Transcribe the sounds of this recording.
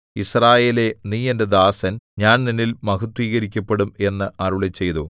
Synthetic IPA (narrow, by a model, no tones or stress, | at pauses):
israːje̞ːle̞niːjɐnded̪aːsɐnɲaːnninːilmɐɣut̪ːwiːɣɐɾikʲːɐpːe̞ɽume̞nːɨʔɐruɭet͡ɕːe̞jt̪u